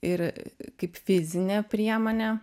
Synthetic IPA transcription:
ɪɾkɐɪpfʲɪzʲɪnʲɛpʲɾʲiɛmoːnʲɛ

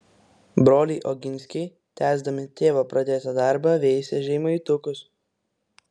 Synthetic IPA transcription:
bɾoːlʲiʔɔɡʲɪnʲsʲkʲɛɪ | t̪ʲæːzd̪ɐmʲɪt̪ʲeːʋopɾʔɐd̪ʲeːt̪ɐd̪ɑˑɾbɐʋʲɛɪsʲɛʒʲɛɪmoiːˑt̪ʊkʊs

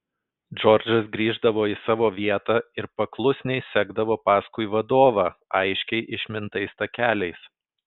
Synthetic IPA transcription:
d͡ʒɔɾʲd͡ʒʲɐsɡɾʲiːʒd̪ɐʋoːɪsɑːʋoːʋʲiɛt̪ɑːɪɾpɐklˠʊsʲnʲɛɪsʲæɡd̪ɐʋoːpɑːskʊɪʋɐd̪oːʋɑːɐɪʃʲkʲɛɪʔɪʃʲmʲɪnt̪ɐɪst̪ɐkʲæːlʲɛɪs

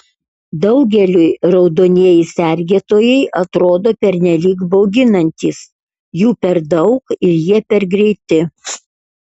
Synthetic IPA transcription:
d̪ɐʊɡʲɛlʲʊjɾɒʊd̪oːnʲiɛjɪsʲɛɾʲɡʲeːt̪oːjɛɪʔɐt̪ɾoːd̪oːpʲɛɾʲnʲɛlʲiːɡbɒʊɡʲɪnɐnʲt̪ʲiːs | juːpʲɛɾd̪ɐʊkɪɾjiɛpʲɛɾɡɾʲɛɪt̪ʲɪ

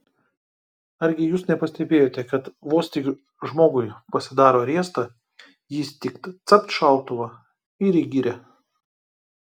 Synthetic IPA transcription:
ɐɾʲɡʲɪjuːsnʲɛpɐsʲt̪ʲɛbʲeːjoːt̪ʲɛkɐt̪ʋoːsʲt̪ʲiː | ʒmoːɡʊɪpɐsʲɪd̪ɑːɾoːɾʲeɛst̪ɐ | jɪst̪ʲɪkt̪t̪sɐpt̪ʃɐˑlˠt̪ʊʋɐ | ɪɾʲɪɡʲɪɾʲɛ

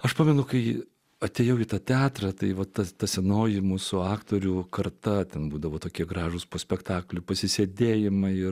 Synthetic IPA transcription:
ɐʃpɑːmʲɛnʊkɐɪ | ɐt̪ʲeːjɛʊɪt̪ɐt̪ʲæːt̪ɾɐt̪ɐɪʋɐt̪ɐt̪ɐsʲɛnoːjɪmusʊɑːkt̪oːɾʲukɐrt̪ɐt̪ʲɛnbuːd̪ɐʋoːt̪oːkʲiɛɡɾɑːʒʊspoːsʲpʲɛkt̪ɑːklʲʊpɐsʲɪsʲeːd̪ʲeːjɪmɐɪ

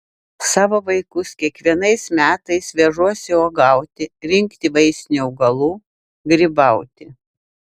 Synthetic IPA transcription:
sɑːʋoːʋɐɪkʊskʲiɛkʋʲiɛnɐɪsmʲæːt̪ɐɪsʋʲɛʒuɔsʲɪoːɡɐˑʊt̪ʲɪɾʲɪŋʲkt̪ʲɪʋɐɪsʲnʲuʊɡɐlˠuː | ɡɾʲɪbɐʊt̪ʲɪ

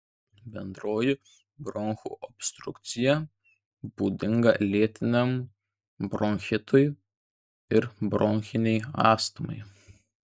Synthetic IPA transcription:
bʲɛnd̪ɾoːjɪ | bɾɔŋxṵːʔɔpʲst̪ɾʊkt̪sʲɪjɛ | b̥uːd̪ʲɪŋɡɐlʲiɛt̪ʲɪnʲɛm | bɾɔŋʲxʲɪt̪ʊj | ɪɾbɾʔɔŋʲxʲɪnʲɛɪɑːst̪ɐmɐ̰ɪ

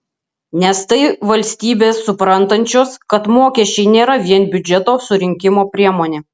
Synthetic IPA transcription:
nʲɛst̪ɐɪʋɐlʲsʲt̪ʲiːbʲeːsːʊpɾɐnt̪ɐnʲt͡ʃʲoːskɐt̪moːkʲɛʃʲt͡ʃʲɛɪnʲeːɾɐʋʲiɛnbʲʊd͡ʒʲɛt̪oːsʊɾʲɪŋʲkʲɪmoːpʲɾʲiɛmoːnʲeː

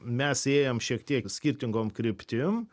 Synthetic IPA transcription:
mʲɛseːjomʃʲiɛkt̪ʲiɛksʲkʲiɾʲt̪ʲɪŋɡoːmkɾʲɪpʲt̪ʲɪm

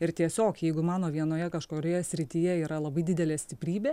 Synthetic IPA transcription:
ɪɾt̪ʲiɛsʲoːkjɛɪɡʊmɑːnoːʋʲiɛnoːjɛkɐʃkoːɾʲoːjɛsʲɾʲɪt̪ʲɪjɛiːɾɐlˠɐbɐɪd̪ʲɪd̪ʲɛlʲeːsʲt̪ʲɪpʲɾʲiːbʲeː

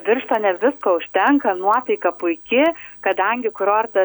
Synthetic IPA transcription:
ʋʲɪrʃt̪oːnʲɛʋʲɪskoːʊʃʲt̪ʲɛŋkɐnuɔt̪ɐɪkɐpʊɪkʲɪkɐd̪ɐŋʲɡʲɪkɾoːrt̪ɐ

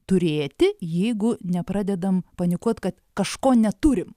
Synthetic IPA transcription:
t̪ʊɾʲeːt̪ʲɪjɛɪɡʊnʲɛpɾɑːd̪ʲɛd̪ɐmpɐnʲɪkuɔt̪kɐt̪kɐʃkoːnʲɛt̪uɾʲɪm

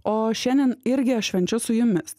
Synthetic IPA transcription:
oːʃʲɛnʲd̪ʲɛnɪɾʲɡʲɪɐʃʃʲʋʲɛnʲt͡ʃʲʊsʊjʊmʲɪs

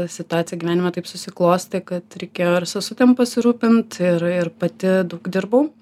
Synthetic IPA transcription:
sʲɪt̪ʊɑːt̪t͡sʲɪjɛɡʲiʋʲæːnʲɪmɛt̪ɐɪpsʊsʲɪklˠoːsʲt̪ʲɪkɐt̪ɾʲɛɪkʲeːjoːɪɾsɐsʊt̪ʲɛmpɐsʲɪɾuːpʲɪnt̪ɪɾɪɾpɐt̪ʲɪd̪ɐʊkd̪ʲɪɾbɐʊ

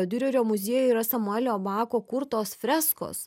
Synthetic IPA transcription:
od̪ʲɪɾʲʊɾʲoːmʊzʲiɛjɛiːɾɐsɐmʊɛlʲoːbɑːkoːkʊɾt̪oːsfʲɾʲæːsko̰ːs

